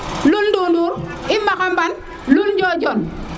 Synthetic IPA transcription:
luldunduɾ | ɪmakamban | luld͡ʒɔd͡ʒɔn

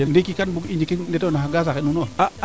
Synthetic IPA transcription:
endekikanbuind͡ʒikindetonaaɡas̬akenunoa

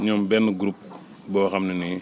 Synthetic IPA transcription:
ɲɔmbɛnːəɡɾup̚ | bɔːxɐmnini

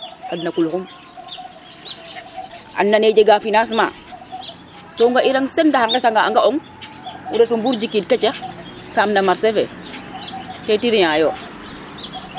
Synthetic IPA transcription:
adnakulkum | ʔa̰nːaned͡ʒeɡafinas̬ma̰ | toŋɡaʔiɾaŋsendahaŋɡesaŋɡaa̰ŋɡaoŋ | uɾetumbuɾd͡ʒikid̚ket͡ʃexsamnamaɾsefe | tetiɾijajo

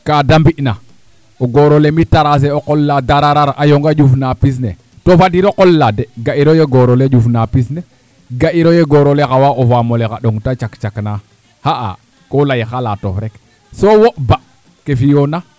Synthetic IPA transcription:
kadambiʔna | oɡoɾolemitaɾas̬eoqolːadaɾaɾaɾʔajoŋɡad͡ʒufnapis̬nḛ | tofadiɾoqolːadeɡaiɾojeɡoɾoled͡ʒufnapisne | ɡaʔiɾojeɡoɾolexawaʔovamolekaɗoŋtat͡ʃakt͡ʃakna | haʔa̰ | kolajxalato̰fɾek | sowoʔba | kefijona

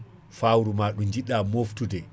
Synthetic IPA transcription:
fawɾumaːɗund͡ʒiɗamoftudɛ

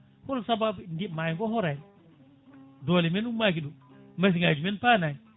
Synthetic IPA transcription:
kɔlsababndimajŋɡɔɦɔɾaj | dɔlɛmɛnumːak̬iɗumas̬iŋad͡ʒumɛnpana

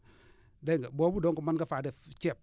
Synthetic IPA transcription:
deŋɡbobudoŋkumankafadet͡ʃep̚

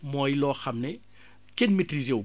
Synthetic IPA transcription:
mɔːjlɔːxɐmnɛ | kenmitrizew

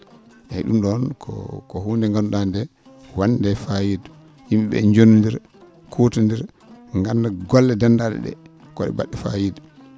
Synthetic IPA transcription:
ʔɛɗumɗɔnkʰɔ̰kɔhuːndɛŋɡanuɗandɛ | wandɛfajidu | himɓɛ̰ɲd͡ʒonundiɾ | kʰotundiɾ | ŋɡanːdaɡɔlːɛdandaɗɛ̰ɗɛ̰ | kɔɗɛ̰ba̰ɗːɛfa̰jidu

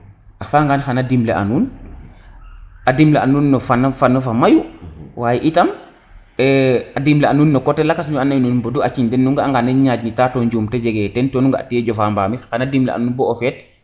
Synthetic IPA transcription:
ʔafaŋɡaːnxanadimlḛʔa̰nuːn | adimleʔanuːnːɔfanfanofamajuwaːjiʔitɐm | ɛadimleanuːnːɔkɔtelakas̬ɲuanajnunboduat͡ʃiɲdɛnːuŋɡaaŋɡanːeɲaːɟnitaːtɔːɲɟuːmteɟeɡɛtɛntɔːnuŋɡaʔa̰tieɟɔfaːmbaːmixanadimlḛʔa̰nuːnbɔofɛt̚

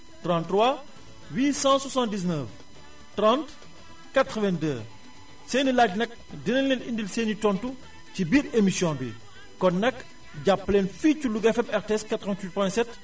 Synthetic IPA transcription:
trɑ̃ntːrwa | wiːsɑ̃swɐsɑ̃ntdis̬nəf | trãnt | katɾəvɛndəː | seːnilaːɟnɐk̚dinɐlːenindilseːnitɔntu | cibiːɾemisjɔ̃nbḭ | kɔnːɐkː | ɟapːleːnfiːculuɡɛfɛpɛɾtɛskɐtːɾəvɛntwit̚pɔ̃jɛnsɛt

